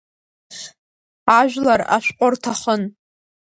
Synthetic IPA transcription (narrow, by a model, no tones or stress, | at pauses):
aʒᶣʷlara̰ʃʷᶣqʷʼʊrtʰaχən